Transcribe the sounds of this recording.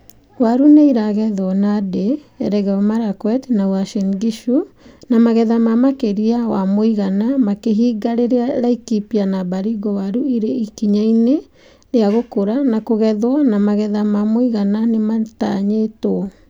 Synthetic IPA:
waɾuneiɾaɣɛðɔnadeɛɾɛɣɛɔmaɾakwɛtnawaʃɛnɡiʃunamaɣɛðamamakeɾiawamoiɣanamakeɦiːɡaɾeɾeaɾaikipianabaɾiɡɔwaɾuiɾeikiɲaine | ɾeaɣokoɾanakoɣɛðwɔnamaɣɛðamamoiɣananemataɲeto

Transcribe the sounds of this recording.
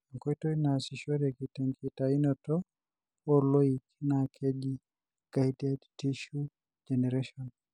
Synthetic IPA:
aŋkɔjtɔnasiʃɔɾɛkitɛŋkitainɔtɔ | pɔlɔiknakʰɛd͡ʒi | ɡ̥ajdɛdtiʃu | d͡ʒɛnɛɾɛʃɔn

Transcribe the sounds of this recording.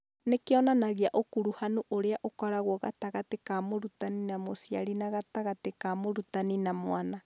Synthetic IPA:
nekeɔnanaɣeaʔokuɾuhanoʔoɾeaʔokɔɾaɣwɔɣataɣatekamoɾutaninamosia̰ɾinaɣataɣatekamoɾutaninamwana

